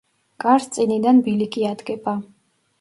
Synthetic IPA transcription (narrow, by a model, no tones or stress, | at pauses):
ɡʼaɾst̪sʼinid̪anbilikʰʼiad̪ɡʼɛpʰʼa